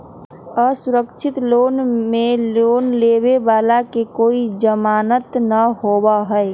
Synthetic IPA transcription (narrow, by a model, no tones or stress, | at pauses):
əsʊɾəkʃʰɪt̪loːnmẽloːnleːbebaːlakekoːid͡ʒəmaːnət̪nəhoːbaɦɛ